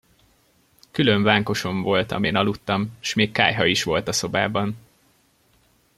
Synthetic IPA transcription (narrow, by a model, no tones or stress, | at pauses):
kyløɱvaːŋko̞ʃo̞ɱvo̞lt̪ɒ̰meːnɒlut̪ːɒmʃmeːkːa̰ːjɦɒiʃʋo̞lt̪ɒso̞baːbɒn